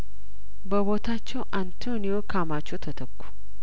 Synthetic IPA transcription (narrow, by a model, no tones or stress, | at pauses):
bəβo̞t̪ʰat͡ʃːɛwʔant̪ʰonijokʰamat͡ʃːowt̪ʰət̪ʰəkːu̥